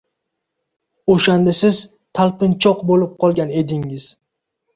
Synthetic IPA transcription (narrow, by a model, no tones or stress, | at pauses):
oʃand̪asɪz | t̪ʰalˠpɪnt͡ʃʰɒqbolɪp̚qʰɒlˠɡʲane̞d̪ɪŋɪz̥